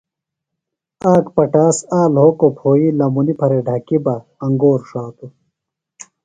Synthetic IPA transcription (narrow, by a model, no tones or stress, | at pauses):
aːkpɐʈaːsaːlɦoːkopʰoːilɐmunipʰɐɾeɖʱɐkibɐ | ɐŋɡoːɾʂaːt̪u